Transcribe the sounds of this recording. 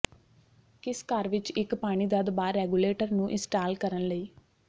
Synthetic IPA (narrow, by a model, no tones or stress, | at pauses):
kɪskaɾʋɪt͡ʃɪkpaːɽ̃iːd̪əd̪baːɾːɛːɡuːleːʈəɾnũːʔɪsʈaːlkəɾənləiː